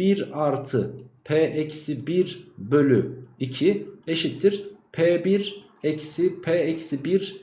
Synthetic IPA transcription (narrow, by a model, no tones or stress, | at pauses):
iɾaɾt̪ʰɯpʰeːʔecsibiɾbø̞lʲyicʰieʃit̪ʰːiɾ̥pʰeːbiɾ | ecsipʰeːecsibiɾ